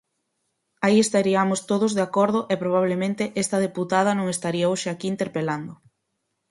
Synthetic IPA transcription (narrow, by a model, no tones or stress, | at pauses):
aiest̪aɾiamʊst̪oðozðeakoɾð̞ʊʔepɾoβ̞aβ̞lemẽnt̪eʔɛst̪ɐðeput̪að̞ɐnõŋest̪aɾiaoʃeakiːnt̪eɾpeland̪ʊ